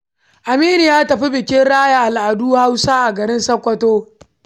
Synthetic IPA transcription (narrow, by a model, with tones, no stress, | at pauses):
ʔa˨miː˦nɪ˨jaː˦tɐ˨ɸi˦bɪ˨kʲɪ˦nɽaː˦ja˨ʔa˨lʔa˨duː˦ha˦wsaː˦ʔa˨ɡɐ˨ɾɪ˦nsɐ˦kʷːɐ˦toː˦